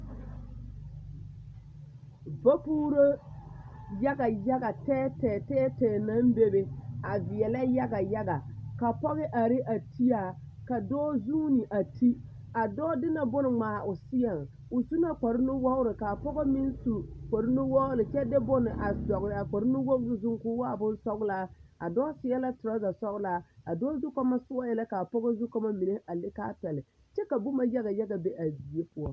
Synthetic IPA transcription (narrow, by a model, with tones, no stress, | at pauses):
ba˦puː˦ɾo˦ | ja˦ɡa˨ja˦ɡa˨tɛː˦tɛː˨tɛː˦tɛː˨na˦mbe˦be˦a˨vɪ˨ɛ˨la˦ja˦ɡa˨ja˦ɡa˨ka˨pɔ˦ɣɪ˦ʔa˨ɾɪ˦ʔa˨tʰi˦a˨ | ka˨dɔː˦zuː˦nɪ˨ʔa˨tʰi˦ | a˨dɔː˦dɪ˦na˨bʊ˦nɪ˨ŋ͡maː˨ʔʊ˨sɪ˦ja˨ŋ | ʊ˨su˦na˦k͡pa˨ɾɪ˦nʊ˦wɔ˦ɣʊ˦ɾɪ˨ka˨pɔ˦ɣɔ˦mɪ˦n˦su˦ka˨ɾɪ˦nʊ˦wɔ˦ɣʊ˦lɪ˨t͡ʃɛ˦dɛ˦bɔ˦nɪ˨ʔa˨zɔ˨ɣɾɪ˨a˨k͡pa˨ɾɪ˦nʊ˦wɔ˦ɣɾɪ˨zʊ˦ŋkʊ˦waː˦˨bʊ˦n˦sɔ˦ɣla˦a˨dɔː˦sɪ˦jɛ˦la˦tʊ˨ɾa˦za˨sɔ˦ɣla˦a˨dɔː˦zu˦kɔ˦ma˦sʊ˦a˦jɛ˨la˦ka˨pɔ˦ɡɔ˦zu˦kɔ˦ma˦mi˨ne˦ʔa˨lɪ˦ka˦pɛ˨lɪ˨ | t͡ʃɛ˦ka˨bʊ˦ma˨ja˦ɣa˨ja˦ɡa˨bɛ˦ʔa˨bi˨e˦pʊ˨ɔ˦